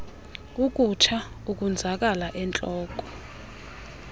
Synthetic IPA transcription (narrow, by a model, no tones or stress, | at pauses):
uk̬ʼut͡ʃʰa | uk̬ʼund͡zʱak̬ʼalaʔɛnt͡ɬʼɔːk̬ʼɔ̥